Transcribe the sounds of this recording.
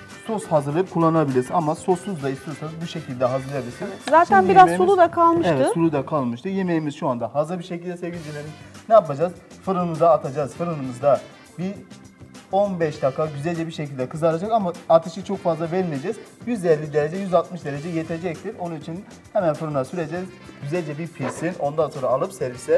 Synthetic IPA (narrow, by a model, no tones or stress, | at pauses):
soshazɯɾlˠɯp̚kʰulˠːanabilʲiɾsinamasosuzd̪aist̪ʰijo̞ɾsanɯzbuʃe̞cʰilʲd̪ɛɦazɯɾlˠebiiɾsinzaːt̪ʰænbiɾazmeulˠud̪akʰalˠmɯevɛɯsʰulˠud̪akʰalˠmɯʃt̪ɯje̞mejimizʃuand̪ahazˠɯɾbiʃecilʲd̪ɛsevʲild̪ilʲeminɛapad͡ʒazfɯɾɯnɯd̪aːt̪ʰad͡ʒaz̥fɯɾɯnɯmɯzd̪a | bi | o̞nbɛʃd̪akʰːaɟyzɛlʲd͡ʒɛbiɾʃe̞cʰilʲd̪ɛkʰɯzaɾad͡ʒakamaat̪ʰɯʃɯt͡ʃʰo̞kfazlˠabelʲmijed͡ʒɛz̥jyzd̪eɾlːʲid̪e̞ɾe̞d͡ʒɛjyzalˠt̪̚mɯʃd̪e̞ɾe̞d͡ʒɛjet̪ʰe̞d͡ʒɛc̚t̪ʰiɾo̞nunit͡ʃʰin | hemænfɯɾɯnasyɾed͡ʒɛz | ɟ̥yzælʲd͡ʒɛbiɾpʰilʲsino̞nd̪anso̞nɾaːlˠɯpsɛɾvisɛ